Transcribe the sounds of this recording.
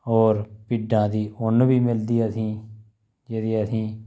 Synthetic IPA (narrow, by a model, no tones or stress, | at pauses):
ɔːɾpɪɖãːd̪iːʊnbiːmɪld̪iːəsĩː | d͡ʒeːd̪iːəsĩː